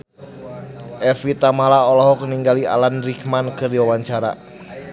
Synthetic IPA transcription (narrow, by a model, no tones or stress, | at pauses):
ʔɛfit̪amalaɔlɔɦɔk̚niŋɡalia̰lanrikmankɨrdiwawaɲt͡ʃaɾa̰